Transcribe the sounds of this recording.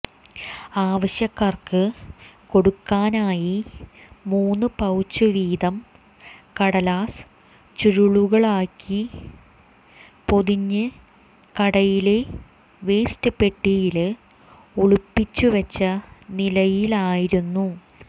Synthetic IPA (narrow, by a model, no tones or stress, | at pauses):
aːʋɐɕjɐkːaːrkɨko̞ɽukːaːnaːji | muːnːɨpɐwt͡ɕːɨʋiːd̪ɐm | kɐɽɐlaːs | t͡ɕuɻuɭuɣɐɭaːkːi | po̞ðiɲːɨ | kɐɽɐjile | ʋe̞ːstɨpe̞ʈːijil | uɭupːit͡ɕːuʋɐt͡ɕːɐnilɐjilaːjiɾunːu